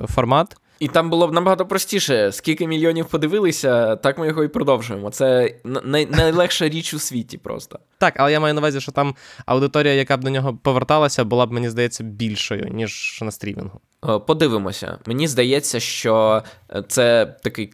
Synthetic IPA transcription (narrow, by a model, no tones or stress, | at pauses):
fɔrmɑt̪ | it̪ɑmbʊlˠɔbnɐbɐɦɑt̪ɔpɾɔsʲtʲiʃɛskʲilʲkɪmʲilʲjɔnʲiwpɔd̪ɪʋɪlˠɪsʲɐt̪ɑkmɪjɔɦɔipɾɔd̪ɔwʒʊjemɔt̪sɛnnɐjnɐjlˠɛxʃɐɾʲit͡ʃʊsʲʋʲitʲipɾɔ̰st̪ɐ̥ | t̪ɑkɐlˠɛjamɑjʊnɐʋazʲiʃt͡ʃɔt̪ɑmɐ̰wd̪ɪt̪ɔɾʲijɐjɐkab̚d̪ɔnʲɔɦɔpɔʋert̪ɑlˠɐsʲɐbʊlˠɑbmenʲizd̪ɐjɛt͡sʲːɐbʲilʲʃɔjʊ̰nʲiʒnɐst̪ɾʲimʲḭnɦʊ | pɔd̪ɪʋɪmɔ̰sʲɐ̰menʲizd̪ɐjɛt͡sʲːɐʃt͡ʃɔt̪sɛt̪ɐkɪj